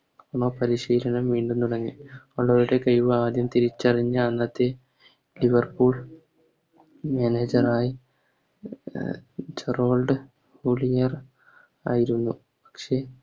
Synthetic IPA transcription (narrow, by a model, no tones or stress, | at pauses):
oɳoːpɐɾiɕiːlɐnɐmʋiːɳɖumt̪uɽɐŋːi | oɭːɐʋɾuɽekɐjʋɨaːd̪jɐmt̪iɾit͡ɕːɐriɲːɨːnːɐt̪ːe̞ | liʋɐrpuːɭ | meneːd͡ʑɐraːji | t͡ɕɐro̞ːlɖɨ | huːɭijɐr | a̰ːjiɾunːu | pɐ̥kʂe̞